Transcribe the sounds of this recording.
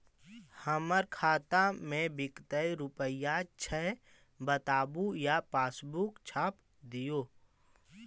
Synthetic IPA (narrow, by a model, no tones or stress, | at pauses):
həməɾkʰaːt̪amẽbɪkt̪əiɾʊpəɪjat͡ʃʰɛɦ | bət̪aːbujapaːsbukt͡ʃʰaːp | d̪ijoː